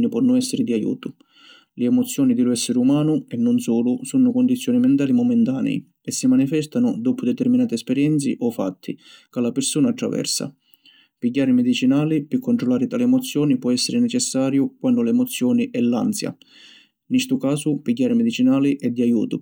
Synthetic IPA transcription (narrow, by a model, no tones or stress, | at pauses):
nipwɔnːʊnɛsːɪɾɪd̪iajṵːt̪ʊ | lɪɛmɔt̪sːjɔːnid̪ɪlʊɛsːɪɾɪumaːnʊɛnːʊnsuːlʊsunːʊkɔnd̪it̪sːjɔːnimɛnt̪aːlimɔmɛnt̪aːnɛ̰i | ɛsːimanifɛst̪anʊd̪ɔːpʊd̪ɛt̪ɛɾminaːt̪iɛspɛɾjɛnt̪sḭʔɔfːa̰t̪ʰːḭkalːapɪɾsuːnaːt̪ːɾa̰vɛ̰rsa̰ | piɟːaːɾɪmɛd̪it͡ʃinaːlipɪkːɔnɳt̪ɾɔlaːɾɪt̪aːlɪɛmɔt̪sːjɔːnipwɔɛsːeɾɪnɛt͡ʃɛsːaːɾjʊkwandʊlɛmɔt̪sːjɔːniʔɛlːa̰nsja̰ | nːist̪ʊkaːsʊpiɟːaːɾɪmɛd̪it͡ʃinaːliʔɛd̪ːiajṵːt̪ʊ